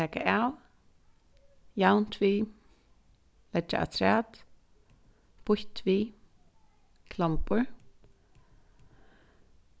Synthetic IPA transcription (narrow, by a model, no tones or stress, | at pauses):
ɛːka̰ʔaw | jawn̥t̪ʰviː | lɛa̰ʔa̰t̪ʰɾæːt̪ | b̥ʊht̪viː | kʰlampəɹ